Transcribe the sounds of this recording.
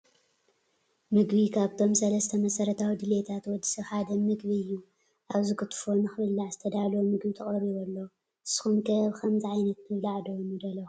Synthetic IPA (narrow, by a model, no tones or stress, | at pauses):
mɨɡbikʰaβt̪ʰo̞msɐlɐst̪ʰɐmɐsɐɾɐt̪ʰawid̪ɨlet̪ʰat̪wɔd̪ːi̥sɐβħad̪ɐmɨɡβiɨjːu | ʔaβzɨkɨt̪ʰfo̞nɨxɨβɨlːaʕzɨt̪ʰɐd̪alomɨɡbit̪ʰɐχʼɐɾiβɔlːo | ɨsɨ̥xumkʰɐβkʰɐmzɨʕajnɐt̪nɨβlaʕd̪omud̪ɐlːɐ